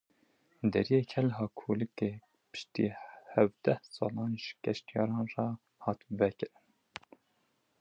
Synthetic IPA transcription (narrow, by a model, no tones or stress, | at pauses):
d̪ɛ̰ɾijeːkʰɛlɦɑːkʰolɨkeː | pɨ̥ʃt̪ḭːhævd̪ɛhsɑ̰ːlɑːnʒ̥kɛʃt̪ijɑ̰ːɾɑːnrɑ | hɑːt̪vɛkɨɾɨn